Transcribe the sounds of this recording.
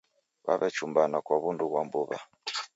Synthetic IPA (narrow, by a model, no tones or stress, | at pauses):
βa̰βɛt͡ʃumbanakwaβunduβwambuβa̰